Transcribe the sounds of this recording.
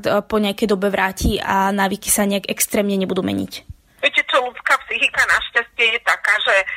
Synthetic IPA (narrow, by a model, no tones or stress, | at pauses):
t̪pɔɲɪakɛjd̪ɔbɛʋɾʔaːcʰianaːʋiki̥saɲɛaɡɛkst̪ɾɛːmɲɛɲɛbud̪uːmɛ̰ɲḭc | ʋɛcɛt͡ʃɔlut͡skaːpsixikanaʃcascɪɛjɛt̪akaːʒɛ